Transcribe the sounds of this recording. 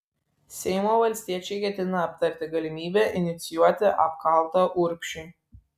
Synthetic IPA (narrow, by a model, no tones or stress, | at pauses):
sʲɛɪmoːʋɐlʲsʲt̪ʲiɛt͡ʃʲɛɪkʲɛt̪ʲɪnɐːpt̪ɐɾʲt̪ʲɪɡɐlʲɪmʲiːbʲæːʔɪnʲɪt̪sʲɪjuɔt̪ʲɪʔɐp̚kɐˑlˠt̪ɐʔʊɾʲpʲʃʲʊ